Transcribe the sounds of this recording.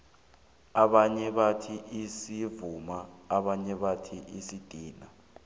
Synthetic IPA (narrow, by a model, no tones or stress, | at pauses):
aɓaɲɛɓatʰiʔisivumaːɓaɲɛɓatʰiʔisid̥ʼʱiːna